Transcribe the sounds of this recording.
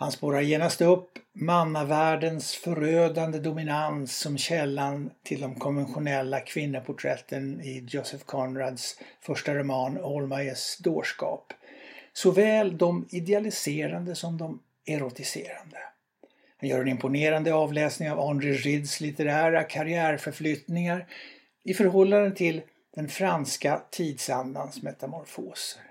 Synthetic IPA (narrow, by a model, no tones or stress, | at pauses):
hanspoːɾaɾjeːnast̪ɵpːmanːavæːɖənsfœɾøːd̪and̪əd̪ʊmɪnansːɔmɕɛlːant̪ʰɪld̪ɔmkʰɔnvɛnɧʊnɛlːakʰvɪnːəpʰʊʈʰɾɛ̰t̪ʰːənɪɔsɛfkʰɔnɾad̪sfœʂʈaɾʊmɑːnɔlmajəsd̪oːʂkɑ̰ːpsɔvɛːld̪ɔmɪd̪ɛalɪseːɾand̪əsɔmd̪ɔm | ɛɾʊt̪ɪsḛːɾand̪ə | hanjœːɾɛnɪmpʊneːɾand̪əɑːvlɛːsnɪŋavɔnd̪ɾɪɾɪd̪slɪt̪əɾæːɾakʰaɾɪæːɾfœɾflʏːt̪nɪŋaɾ | ɪfœɾɦɔlːand̪ənt̪ʰɪl | d̪̥ɛnfɾanskat̪ʰiːd̪sand̪ansmɛt̪amɔɾfo̰ːsə